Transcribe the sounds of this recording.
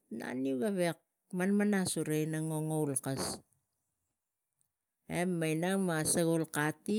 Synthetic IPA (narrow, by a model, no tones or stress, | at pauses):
na̰niuɡaβek̚ | manmanasuɾejnaŋo̞ŋowlkas | emːajnaŋmaseɣolkati